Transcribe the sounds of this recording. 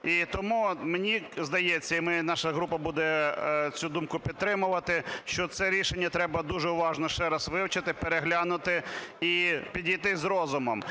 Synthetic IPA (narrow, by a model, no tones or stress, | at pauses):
it̪ɔmumenʲizd̪ɐjet͡sʲːɐimɪnɑʃɐɦɾupɐbud̪ɛt͡sʲud̪umkʊpʲid̪̚t̪ɾɪmʊʋɐt̪ɪʃt͡ʃɔt̪sɛɾʲiʃenʲːɐt̪ɾɛbɐd̪uʒɛʊʋɑʒnɔʃt͡ʃɛɾɐsʋɪwt͡ʃɐt̪ɪpeɾeɦlʲɑnʊt̪ɪipʲidʲijt̪ɪzɾɔzʊmɔm